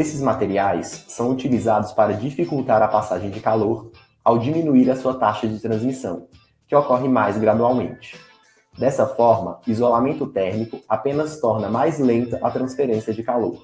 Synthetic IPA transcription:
esɪzmat̪eɾiajsːɐ̃w̃ut͡ʃilizad̪ʊspaɾɐd͡ʒifikuwt̪aɾɐpasaʒẽj̃d͡ʒɪkaloɾ | awd͡ʒimĩnuiɾɐsuɐt̪aʃɐd͡ʒɪt̪ɾɐ̃zmisɐ̰̃w̃ | kɪokɔɦɪmajzɡɾad̪uawmḛ̃nt͡ʃɪ̥ | d̪ɛsɐfɔɾmɐizolamẽnt̪ʊt̪ɛɾmikʊapẽnɐst̪ɔɾnɐmajzlẽnt̪ɐʔɐt̪ɾɐ̃sfeɾẽsiɐd͡ʒɪkalo̰ɾ

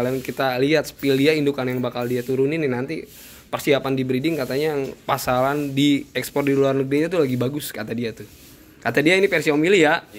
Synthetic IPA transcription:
lankit̪aliɦat̪̚sə̥pildiaindukanjaŋbakaldiat̪uɾunininant̪i | pərsiapandibɾidɪŋkat̪aɲajaŋpasalandiɛkspɔrdiluarnəɡɾiɲat̪̬ulaɡibaɡʊskat̪adiat̪u | kat̪adiainipɛrsiomilija

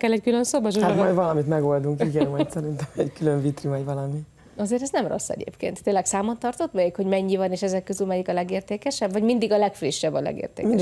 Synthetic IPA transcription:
kɛlːɛckylønsobɒʒat̪mɒjd̪vɒlɒmit̪mɛɡo̞ld̪uŋkiɡɛnmɒt̪sɛɾint̪ɛmɛɟkyløɱvit̪rimɛɟvɒlɒmi | ɒzeːɾɛznɛmro̞̰sːɛ̰ɟḛːpkḛːnt̪ːeːnlɛksaːmont̪ːɒrt̪o̞t̪mɛjikho̞ɟmɛɲːivɒneːʃɛzɛkːøzylmɛjikɒlɛɡeːrt̪eːkɛʃɛbvɒɟmind̪iɡɒlɛkfriʃːɛbːɒlɛ̰ɡḛːrt̪ḛːmi

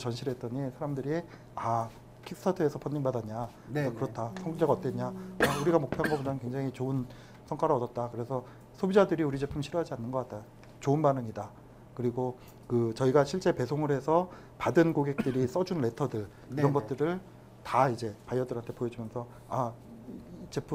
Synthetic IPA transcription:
t͡ɕʌnɕʰiɾɦe̞t͈ʌɲisʰaɾamdɯɾi | a | kʰik̚stʰatʰɯe̞sʰʌpʰʌnːiŋbadaɲa | ʌkɯɾʌt͈ʰasʰʌŋd͡ʑeɡaʌt͈eɲaauɾiɡamok̚pʰjoɦanɡʌpodanɯkwe̞ŋd͡ʑaŋit͡ɕoɯn | sʰʌŋk͈ʰwaɾɯʌdʌt̚t͈akɯɾe̞sʰʌ | sʰobid͡ʑadɯɾiuɾid͡ʑe̞pʰɯmɕʰiɾuɦad͡ʑianːɯnɡʌk͈at̚t͈a | t͡ɕoɯnbanɯŋida | kɯɾiɡo | kɯt͡ɕʌiɡaɕʰiɭt͡ɕ͈e̞pe̞sʰoŋɯɾhe̞sʰʌ | padɯnkoɡe̞k̚t͈ɯɾis͈ʌd͡ʑunɾe̞tʰʌdɯɭ | iɾʌnɡʌt̚t͈ɯɾɯɭ | taid͡ʑe̞pajʌdɯɾɦantʰe̞pojʌd͡ʑimjʌnsʰʌ | a | it͡ɕe̞pʰɯ

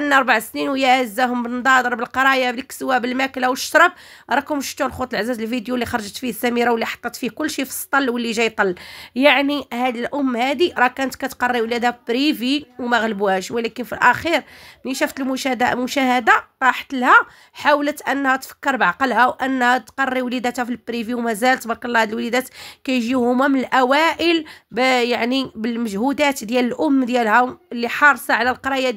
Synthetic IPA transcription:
ʔənːɑɾˤbaʕsninwjæʕzːæhʊmbənd̪ˤɑd̪əɾˤbəlqɑɾˤɑjablikswæbəlmæklawʃtɾˤɑb̚ɾˤɑkʊmʃft̪ulxut̪ˤəlʕzːæzəlfid̪julːixɑɾˤʒət̪fihsːæmiɾawlːiħɑ̥t̪ˤːɑt̪fihkʊlːʃifə̥st̪ˤːɑlːwəlːiʒæjt̪ˤɑlːjaʕnihæd̪əlʔʊmːhæd̪iɾˤɑkænət̪kæt̪qɑrˤːiwlæd̪æbɾiviwmæɣləbuhæʃwlækənfilʔæxiɾniʃuft̪əlmʊʃæhd̪amʊʃæhəd̪aɾˤɑħt̪lhæ | ħawlət̪ʔənːhæt̪fə̥kːəɾˤbʕɑqɑlhæwʔənːhæt̪qɑrˤːiwlid̪æt̪hæfilbɾiviwmæzælət̪bɑɾqkɑlːhæd̪əlwlid̪æt̪kæjʒihʊmæmənəlʔæwæʔəlbjaʕnibəlməʒhud̪æt̪d̪jæləlʔʊmːd̪jælhæməlːiħɑɾˤsˤɑʕlælqɑɾˤɑjæ

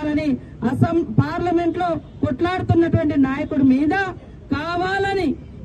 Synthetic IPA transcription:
lɐni | ɐsɐmpaːɾlɐme̞ɳʈlo̞ː | koʈlaːɽut̪unːɐʈuʋɐɳʈinaːjɐkuɽumiːd̪ɐ | kaːʋaːlɐni

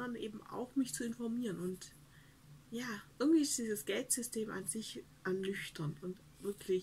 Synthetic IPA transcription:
ɐnʔeːbm̩a̰ʊxmɪçt͡suɪnfɔɐmiːʁənʊnt | jaːʔɪɐɡŋ̩tv̥iːɪstd̥iːzəsɡ̥ɛltz̥ʏstʰeːmʔa̰nzɪç | ʔanlʏçtʰɐnʊnt | v̥ɪɐkʰlɪç

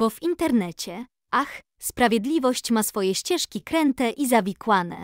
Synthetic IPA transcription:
b̥ɔvint̪ɛɾnɛt͡ɕɛ | ʔax | spɾavʲjɛd̪lʲivɔɕt͡ɕmasfɔjɛɕt͡ɕɛʂkʲikɾɛnt̪ɛʔizavʲikwanɛ̰

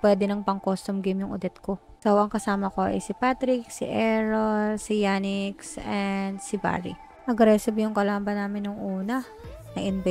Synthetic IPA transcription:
pwɛd̪ɛnɐŋpɐŋkost̪ʊmɡimjʊŋʊ̰d̪ɛt̪ko | sowɐŋkɐsaːmɐkoʔɐ̰jsipat̪ɾɪk̚sḭʔɛɹolsijaːnɪksɛnd̪siba̰ɾḭ | ʔɐɡɾɛsɪbijʊŋkɐlaːmbɐnaːmɪnːʊŋʔuːnɐ | nɐʔɪnbɛ

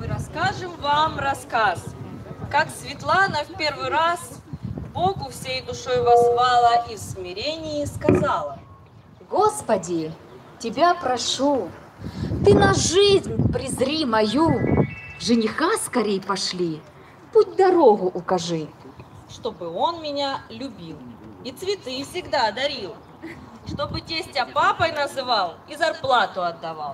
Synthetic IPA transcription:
mɨɾɐskaʐɨmvamrɐskaskaksʲvʲɪt̪lˠanəfpʲe̞rvɨɾasbokʊfsʲejd̪ʊʂojvɐzvalˠəifsmʲɪɾʲenʲɪjiskɐzalˠə | ɡospɐdʲɪ | tʲɪbʲapɾɐʂu | t̪ɨnɐʐɨzʲnʲpɾʲɪzɾʲimɐju | ʐɨnʲɪxaskɐɾʲejpɐʂlʲi | put̚ʲd̪ɐɾoɣʊʔʊkɐʐɨ | ʂt̪o̞bɨonmʲɪnʲalʲʊbʲilˠit̪svʲɪt̪ɨfsʲɪɡd̪aɐd̪ɐɾʲilˠ | ʂt̪obɨtʲesʲtʲɐpapɐjnɐzɨvalˠizɐrplˠat̪ʊɐd̪ːɐvalˠ

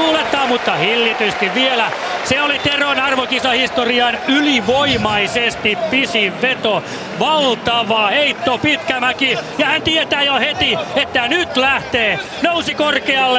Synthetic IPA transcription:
uːlet̪ːˑɑːmmut̪ːɑhilːit̪yst̪iʋʋielæseolit̪eronɑrʋokisɑhist̪oriɑnyliʋoimɑisest̪ippisiʋʋet̪o | ʋɑlt̪ɑʋɑheit̪ːopit̪kæmækijɑhænt̪iet̪æːjohet̪iet̪ːænyt̪læht̪eː | nousikorkeɑlːe

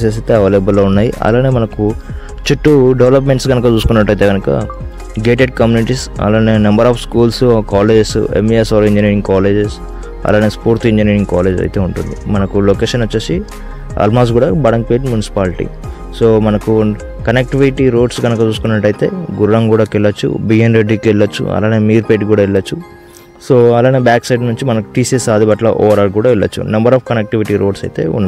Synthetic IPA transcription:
seːs̬it̪eːɐʋeːleːbɐlːoːunːaːjḭʔɐ̰laːneːmɐnɐku | t͡ʃiʈːuɖeʋlɐpmeɳʈsɡɐnɐkɐt͡ʃuːsukunːɐʈ̬ːɐjt̪eːɡɐnukɐ̰ | ɡeːʈeɖkɐmjuːniʈiːsɐ̰laːneːnɐmbɐɾaːpʰskuːlskaːleːd͡ʒsḛmiesaːɾiɲd͡ʒiniːɾiŋɡkaːleːd͡ʒes | ɐ̰laːneːspuːɾt̪iɲd͡ʒiniːɾiŋɡkaːle̞ːd͡ʒɐ̰jt̪e̞ːuɳʈund̪ḭmɐnɐkuloːkeːʃɐnʋɐt͡ʃːeːsi | ɐ̰lmaːsʈɡuːɽaːbɐɽɐŋkpeːʈmjunisi̥paːliʈḭ | so̞ːmɐnɐku | kɐnek̚ʈiʋiʈiɾo̞ːɖsɡɐnɐkɐt͡ʃuːsu̥kunːɐʈːɐjit̪e̞̰ːɡuɾːɐŋkuːɽaːkɛɭːɐt͡ʃːṵbijɐnɾeɖːikɛɭːɐt͡ʃːṵɐ̰laːneːmiːɾpeːʈkuːɽaːɛɭːɐt͡ʃːu | soːɐlaːneːbjaːksɐjɖnuɲt͡ʃimɐnɐku̥ʈiːsesaːd̪ʱibɐʈlɐ̰ʔɔ̰ːʋɐɾaːɾkuːɽaːʋɛɭːɐ̰t͡ʃːṵnɐmbɐɾaːfkɐnek̚ʈiʋiʈiɾo̞ːɖsɐjt̪e̞̰ːṵnːɐ

